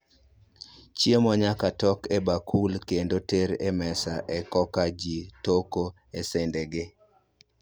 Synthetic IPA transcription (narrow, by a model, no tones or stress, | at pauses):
t͡ʃiemɔɲakatɔkebakʰulkendoteɾemɛsaʔɛkɔkad͡ʒitoko | esendeɡɪ